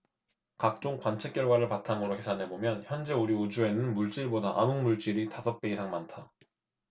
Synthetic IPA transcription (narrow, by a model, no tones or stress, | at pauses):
kak̚t͡ɕ͈oŋkwant͡ɕʰek͈jʌɭɡwaɾɯɭpatʰamoɾokʰe̞sʰanɦe̞bomjʌnçjʌnd͡ʑe̞uɾiud͡ʑue̞nɯnmuɭt͡ɕ͈iɭbodaʔamɯnmuɭt͡ɕ͈iɾitasʰʌk̚p͈e̞isʰaŋmantʰa